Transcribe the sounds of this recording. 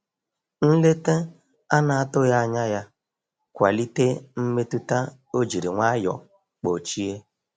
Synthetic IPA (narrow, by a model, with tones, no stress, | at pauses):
n̩˦le˦te˦ | a˦na˨a˦tʊ˦ja˦a˨ɲa˦ja˦ | kʷa̰˨li˦te˦m̩˦me˦tu˦ta˦ | o˦d͡ʒi˨ɾi˨ŋʷa˦jɔ̰˨ | k͡po˨t͡ʃi˦e˦